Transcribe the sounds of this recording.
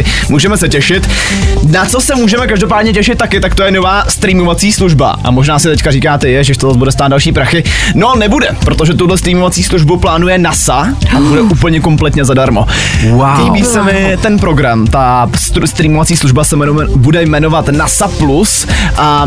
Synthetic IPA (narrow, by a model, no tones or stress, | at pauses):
muːʒɛmɛsɛcɛʃɪt̪ | nat͡so̞sɛmuːʒɛmɛkaʒdop̬aːdɲɛcɛʃɪt̪̚tːakɪt̪akt̪ojɛno̞vaːst̪ɾiːmovat͡siːsluʒba̰ʔa̰mo̞ʒnaːsɪt̪ɛckariːkaːt̪ɛjɛʒɛɪʃt̪ozazbudɛst̪aːd̪dalʃiːpɾaxɪno̞nɛbudɛpɾo̞t̪oʒɛt̪udlɛst̪ɾiːmovat͡siːsluʒbuplaːnujɛnasaabudɛʔuːpl̩ɲɛko̞mplɛt̪ɲɛzadaɾmo̞ | waliːbiːsɛmɪt̪ɛnpɾo̞ɡɾamt̪ast̪st̪ɾiːmovat͡siːsluʒbasɛmɛbudɛjmɛno̞vat̪nasaplus | ʔa